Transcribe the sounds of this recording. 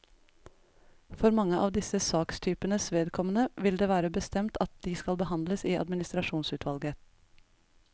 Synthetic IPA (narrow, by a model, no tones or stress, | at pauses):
fɔɾmɑŋəʔɑ̰ːʋd̪ɪsəsɑːkst̪ʰyːpənəsʋeːd̪kʰɔmənəʋɪld̪eːʋæːɾəbəst̪ɛmt̪ʰɑt̪̚d̪̥iːskɑlbəhɑnd̪ləsiːɑ̰d̪mɪnɪst̪ɾɑʃuːnsʉːt̪ʰʋɑlɡə